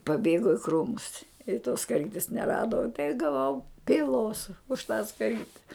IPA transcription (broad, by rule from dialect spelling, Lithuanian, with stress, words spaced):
pɐˈbʲeːɡoː ɪ ˈkruːmʊs ɪ toːs skɐˈrʲiːtʲɪs nʲɛˈrɑːdoː ɪ ɡɐˈʋɐʊ pʲiːˈlˠoːs ʊʃ tɑː skɐˈrʲiːtʲɛ